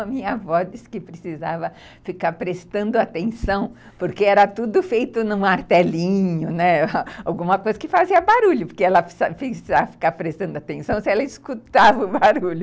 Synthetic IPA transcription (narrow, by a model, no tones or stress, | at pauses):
ɐmĩɲɐvɔd͡ʒɪskɪpɾɪsizavɐ | fikaɾpɾest̪ɐ̃nd̪ʊat̪ẽsɐ̃w̃ | poɾkeɛɾɐt̪ud̪ʊfejt̪ʊnʊ̃aɾt̪ɛlĩɲʊnɛawɡũmɐkojzɐkɪfaziɐbaɾuʎʊpoɾkeɛlɐfsafisizavɐfi̥kaɾpɾest̪ɐ̃nd̪ʊat̪ẽsɐ̃w̃sɪɛlɐiskut̪avɐʊbaɾuʎʊ